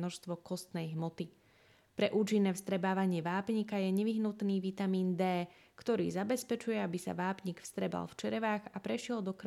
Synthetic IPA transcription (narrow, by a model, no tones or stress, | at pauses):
nɔʃst̪ʋɔkɔst̪nɛjɦmɔt̪i | pɾɛʔuːt͡ʃinːɛːfst̪ɾɛbaːʋaɲɪɛʋaːpɲikajɛɲɛʋiɦnut̪niːʋit̪amiːnd̪ɛː | kt̪ɔɾḭːzabɛspɛt͡ʃujɛabisa̰ʋaːpɲikfst̪ɾɛba̰lft͡ʃɛɾɛʋaːɣapɾɛʃɪɛld̪ɔkɾ